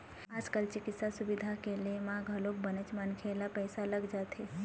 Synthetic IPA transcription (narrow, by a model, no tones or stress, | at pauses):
aːd͡ʒkəlt͡ʃɪkɪt̪sasʊbɪd̪ʱakelemãɡʱəlok̚bənət͡ʃmankʰeːlapɛːsaləɡd͡ʒaːt̪e